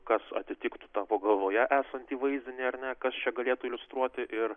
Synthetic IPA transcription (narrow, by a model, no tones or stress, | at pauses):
kɐsɐ̰t̪ʲɪt̪ʲɪːkt̪u̥t̪ɑːpoːɡɐlˠʋoːjɛʔæːsɐnʲt̪ʲiːʋɐɪzʲd̪ʲɪnʲiɐɾnʲɛkɐst͡ʃʲɛɡɐlʲeːt̪ʊɪlʲʊst̪ɾuɔt̪ʲɪʔɪr